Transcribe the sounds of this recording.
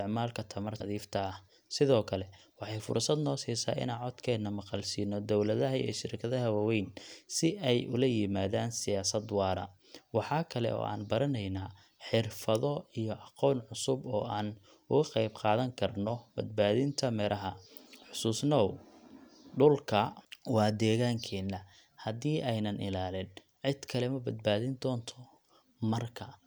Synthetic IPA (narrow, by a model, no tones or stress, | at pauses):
ɪʕmaːlkʰɐt̪ʰɐmɐrðiːft̪ʰɐɐh | sɪðɔːkʰɐlɛwɑħɑjfʊ̰rsɐd̪nɔːsiːsa̰ːʔɪ̰naːʕɔd̪kʰɛːnːɐmɑqɑlsiːnɔd̪ɔwlɐðɐɦɐɛ̰ːʃɪɾkʰɐðɐɦɐwawɛjnsɪʔɛjʔʊ̰lɐjɪmaːðaːnsɪjaːsɐd̪wɑːɾɐ̰ | wɑħɑːkʰɐlɛ̰ʔɔ̰ːʔa̰ːnbɐɾɐnɛjna | ħɪrfɐðɔijɔʔɑqɔːnʕʊsʊbɔːaːn | ʊɣɐqɑjbqɑːðɐŋkʰɐrnɔb̥ɐd̪baːðɪnt̪ʰɐmɛːɾʔɐɦɐħʊsuːsnɔw | ɖʊlkʰɐwɑːd̪ɛːɣaːŋkʰɛːnːɐ | hɐðiːʔɛjnɐnʔɪlaːlɪn | ʕɪd̪kʰɐlɛmɐbɐd̪̚baːðɪnd̪ɔːnt̪ʰɔ | mɐrkʰɐ